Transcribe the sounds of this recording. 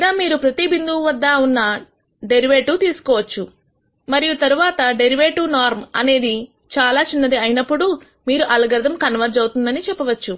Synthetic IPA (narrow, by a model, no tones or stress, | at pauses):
id̪aːmiːɾupɾɐt̪ibind̪uːʋɐd̪ːaːunːɐ | ɖe̞ɾiʋeːʈːut̪iːsu̥kɔːʋɐt͡ʃːu | mɐɾijut̪ɐɾuʋaːt̪ɐɖeɾiʋeːʈunaːɾmɐ̰ne̞ːd̪i | t͡ʃaːlaːt͡ʃinːɐd̪iɐjinɐpːuɽu | miːɾuʔɐlɐɡɐɾd̪ɐmkɐnʋɐɾd͡ʒɐwt̪und̪ɐnit͡ʃɛpːɐʋɐt͡ʃːu